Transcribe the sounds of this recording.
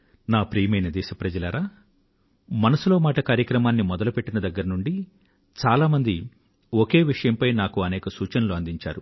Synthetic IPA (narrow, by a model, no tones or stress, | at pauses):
naːpɾiːjmɐjnɐd̪ɛːʃɐpɾɐd͡ʒɐlɐːɾaː | mɐnɐsulo̞ːmaːʈɐkaːɾjɐkɾɐmaːnːimɔd̪ɐlupeʈːinɐd̪ɐɡːɐɾɐnuɳɖi | t͡ʃaːlaːmɐnd̪i | oke̞ːʋiʂɐjɐmpɐjnaːkuɐnɛːkɐsuːt͡ʃɐnɐluɐnd̪iɲt͡ʃa̰ːɾu